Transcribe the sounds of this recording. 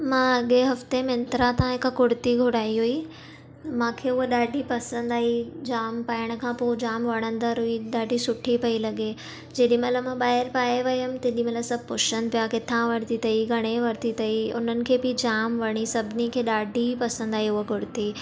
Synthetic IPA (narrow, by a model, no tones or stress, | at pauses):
mãːɐɠeɦɐft̪emɪ̃nt̪ɾat̪aãɦɪkkʊɽt̪iɡʱʊɽaːiɦui | mãːkʰeʊɦeɗaːɖʱipɐsə̃nd̪aːɦid͡ʑaːmpaːɪɽ̃ə̆kʰãːpod͡ʑaːmʋɐɽ̃ə̃nd̪əɾɦʊiɗaːɖʱisʊʈʰipɐilɐɠe | d͡ʑeːɗĩmɐt̪ləbmãɓaːɦɪɾpaːeʋɐjʊm̃t̪ɐːɗĩmɐt̪ləsɐb̚ʱpʊʃənpijakɪt̪ʰãʋɐɾt̪it̪ɐiɡʱɐɽ̃eʋɐɾt̪it̪ɐiʊ̰n̤ənɪ̆kʰeːbid͡ʑaːmʋɐɽ̃isɐbʱɪnikʰeːɗaːɖʱipɐsə̃nd̪aːɦiʊɦkʊɽt̪i